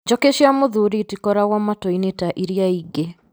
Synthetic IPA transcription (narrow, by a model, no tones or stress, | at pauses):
d͡ʒɔkeʃiamoðuɾitikɔɾaɣwamatɔinetaʔiɾiaiɡe